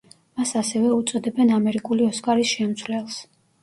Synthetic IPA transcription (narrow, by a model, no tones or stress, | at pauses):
masasɛvɛut̪sʼɔd̪ɛbɛnamɛɾikʼuliɔskʼaɾisʃɛmt̪sʰvlɛlˠs